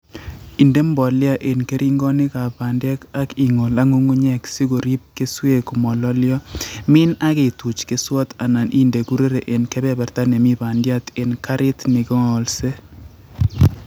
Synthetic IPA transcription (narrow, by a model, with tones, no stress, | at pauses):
i˨nde˦mbɔ˨lja˦ʔe˨nke˦ɾʔi˦ŋɡɔ˦nɪ˦ka˨ba˨ndɛ˦ka˦ki˨ŋo˨la˦ŋu˦ŋu˦ɲɛ˦˨ksi˦ɡo˨ɾi˦p̚ke˦swe˦kmɔ˨lɔ˦ljɔ˦mɪ˦na˦ke˨tu˨t͡ʃke˦swɔ˦ta˨na˨nʔi˦nde˨ku˦ɾe˦ɾe˨ʔe˨nkɛ˦bɛ˦bɛ˨ɾta˦ne˨mi˦ba˨ndja˦te˨nka˦ɾɪ˦tnɪ˨kɔ˦ŋɔ˨lse˦